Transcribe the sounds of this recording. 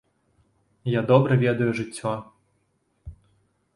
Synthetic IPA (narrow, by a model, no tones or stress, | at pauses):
jad̪ɔbɾɐvʲɛd̪ɐjuʐɨt͡sʲːɔ